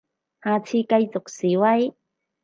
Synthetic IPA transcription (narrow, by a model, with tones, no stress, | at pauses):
haː˨˧t͡sʰiː˧ka˧jt͡so˨˩k̚siː˨˦wa˧˥j